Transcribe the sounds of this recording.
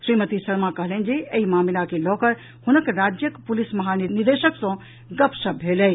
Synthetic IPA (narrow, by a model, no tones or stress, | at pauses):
sɾimət̪isəɾmakəɦlɛn̆d͡ʒeeimamilakelɔkəɾ | hunəkɾad͡ʒjəkpulisməɦaniniɾd̪eʃəksɔ̃ | ɡəpsəbʱelɛ